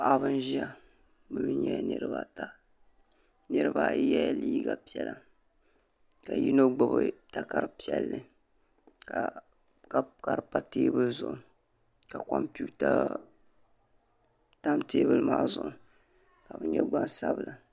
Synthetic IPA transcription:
ʔa˦bɨ˦n˦ʒi˦a˦ | bɨ˦bɨ˦ɲɛ˦nɨ˦ɾɨ˦ba˦ta˦ | nɨ˦ɾɨ˦ba˦jɛ˦liː˦ɡa˨pi˦ɛ˨la˨ | ka˨ji˦no˦ɡ͡bʊ˦bɨ˦ta˦ka˦ɾɨ˦pi˦ɛ˦lːɨ˨ | ka˨ | kka˨ɾpa˦teː˦bɨ˦lzʊ˨ʔʊ˦ | ka˨kɔ˨mpu˦ta˦ | ta˦mteː˦bɨ˦lmaː˦zʊ˨ʔʊ˨ | ka˨bɨ˦ɲɛ˦ɡ͡ba˦nsa˦bɨ˨la˨

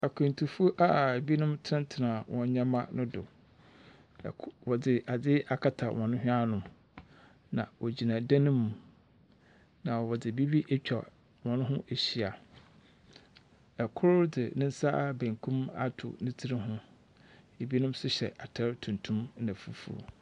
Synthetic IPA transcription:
a˨kʰɛ̃˨n˨tʰu˨fu˦ʔa˦e˨bi˦nʊ̃˦mtʰɪ˦ɪ̃˦ntʰɪ˨nã˨wɔ̃˨ɲ˦ɲã˦mã˦nʊ̃˦dʊ̰˨ | wɔ˨dɪ˨ʔa˨dɪ˦a˨kʰa˦tʰa˨wʔɔ̃˨nʊ̃˦ɦᶣɪ̃˦a˦nʊ̃˨m | nã˨wɔ˨d͡ʑi˨nã˨dã˦nʊ̃˦mũ˨ | nã˨wɔ˨dɪ˨bi˦bi˦ʔe˦t͡ɕᶣʰa˨ | wɔ̃˨nʊ̃˦ɦʊ̃˦ʔe˨ɕi˦a˨ | ɛ˨kʰʊ˦ɾdɪ˨nɪ̃˦n̩˦sa˦˨bæ̃˨ŋkʰũ˦ma̰˦tʰʊ̰˨nĩ˦tʰi˦ɾɪ˦ɦʊ̃˦ | e˨bi˦nʊ̃˦msʊ˦ɕɛ̰˨ʔa˨tʰɛ˦ɾtʰũ˨ntʰũ˦m˦nã˨fṵ˦fṵ˦˨

